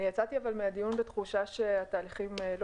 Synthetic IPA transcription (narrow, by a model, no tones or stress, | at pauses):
nijat͡sat̪iavalmead̪ijunbet̪χuʃaʃeat̪aːliχiml